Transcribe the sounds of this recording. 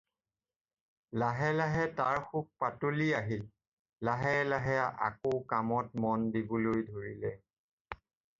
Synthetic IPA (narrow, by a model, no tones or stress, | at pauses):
laɦɛlaɦɛtaɹxuk̚patoliaɦil | laɦɛlaɦɛaʔa̰kowkamɔtmɔndibɔlojdʱoɹilɛ